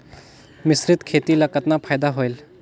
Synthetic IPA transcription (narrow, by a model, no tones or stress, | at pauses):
mɪsɾɪt̪kʰeːt̪ilakət̪napʰaːjd̪aɦojl